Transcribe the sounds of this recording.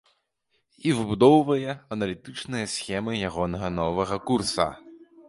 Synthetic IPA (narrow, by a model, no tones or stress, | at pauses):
ivɨbud̪ɔwvɐjɛɐnɐlʲit̪ɨt͡ʂnɨjɐsʲxʲɛmɨjaɣɔnɐɣɐnɔvɐɣɐkursɐ̰